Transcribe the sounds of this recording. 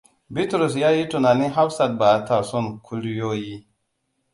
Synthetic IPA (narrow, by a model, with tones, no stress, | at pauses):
bi˦tɾu˨s̬ja˦ji˦tu˨na˨ni˦ɦa˦bsa˨t̚ba˨˦ta˨ɾso˦nkʰu˦ljo˦ji˦